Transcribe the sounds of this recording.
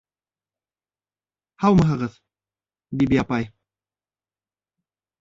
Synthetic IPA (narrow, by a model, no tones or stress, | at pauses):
hawmɤɦɤ̆ʁɤð̥ | bibiapɑj